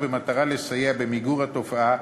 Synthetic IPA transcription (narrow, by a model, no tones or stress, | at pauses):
vemat̪aʁale̞sajeabe̞miɡuʁat̪o̞faa